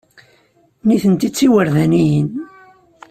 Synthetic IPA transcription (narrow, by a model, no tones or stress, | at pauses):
niθənt̪it͡sːiwəɾðænijən